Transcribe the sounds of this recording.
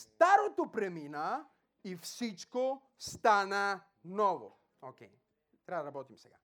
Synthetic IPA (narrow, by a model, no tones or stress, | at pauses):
st̪aɾot̪opɾɛmina | ifsit͡ʃko | st̪ana | nɔvo̰ | okʲej | t̪ɾɛbad̪ɐɾabɔt̪imsɛɡa̰